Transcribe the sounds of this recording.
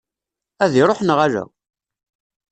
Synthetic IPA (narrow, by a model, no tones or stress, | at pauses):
æðiɾˤoħnəʁælæ̰